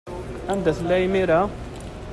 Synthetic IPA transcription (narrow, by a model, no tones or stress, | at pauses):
ænd̪æθlːæimiɾæ